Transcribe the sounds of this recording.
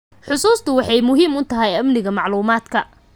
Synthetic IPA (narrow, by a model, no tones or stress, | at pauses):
ħʊsuːst̪ʰʊwɑħɑjmʊɦiːmʊt̪ʰɐɦɛjɐmnɪɣɐmɑʕluːmaːd̪kʰɐ